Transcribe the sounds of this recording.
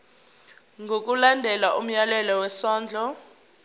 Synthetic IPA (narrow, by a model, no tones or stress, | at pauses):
ŋɡʱok̬ʼulandʱɛlaʔum̩jalɛlɔwɛsɔːnd͡ɮʱɔ